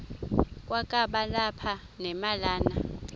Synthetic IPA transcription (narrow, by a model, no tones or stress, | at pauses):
kʼwakʼaɓalapʰanɛmalaːna